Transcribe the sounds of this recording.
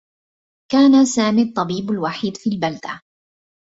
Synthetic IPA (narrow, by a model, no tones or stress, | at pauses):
kaːnasaːmiːt̪ˤːɑbiːblwaħiːd̪fiːlbald̪a̰